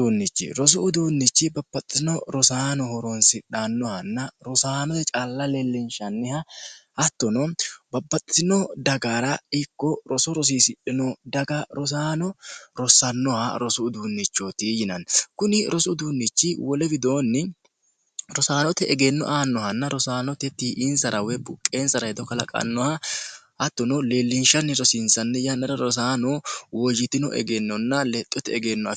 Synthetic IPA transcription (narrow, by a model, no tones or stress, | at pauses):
unːɪt͡ʃːɪ̰ɾɔs̬ʊʊd̪uːnːɪt͡ʃːɪbɐbːɐt̪ʼːsɪnɔɾɔsaːnɔhɔɾɔnsɪᶑanːɔhɐnːɐɾɔsaːnɔt̪ɛt͡ʃʼaːlːɐlɛlːɪnʃɐnːɪhɐhɐt̪ːɔnɔbɐbːɐtʼsɪnɔd̪ɐɡaːɾɐɪkːɔɾɔsɔɾɔs̬iːsɪᶑɪnɔd̪ɐɡɐɾɔs̬aːnɔɾɔsɐnːɔhɐ̰ɾɔsʊːd̪uːnːɪt͡ʃːot̪ijɪnɐnkʊnɪɾɔsʊd̪uːnːɪt͡ʃːɪwɔlɛbɪd̪o̞ːnːɪ | ɾɔsaːnɔt̪ɛʔɛɡenːɔ̰ʔaːnːɔhɐnːɐɾɔsaːnɔt̪ɛt̪iːʔɪnsɐɾɐwɛbʊkʼːeːnsɐɾɐhɛd̪ɔkɐlɐkʼɐ̰nːɔhɐʔɐt̪ːɔnɔleːlːɪnʃɐnːɪɾɔsɪnsɐnːɛjɐnːɐɾɐɾɔs̬aːnɔwɔd͡ʒɪt̪ɪnɔ̰ʔɛ̰ɡenːɔnːɐlɛt̪ʼːɔt̪ɛɛɡeːnːɔɐ